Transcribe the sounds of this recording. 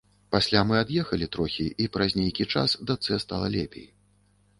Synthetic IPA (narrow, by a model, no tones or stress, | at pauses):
pasʲlʲamɨad̪jɛxɐlʲit̪ɾɔxʲiipɾɐzʲnʲejkʲit͡ʂa̰sd̪at̪sɛst̪alˠɐlʲɛpʲḛj